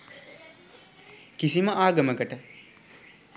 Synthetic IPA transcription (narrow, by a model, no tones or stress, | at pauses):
kisiməʔaːɡəməkəʈə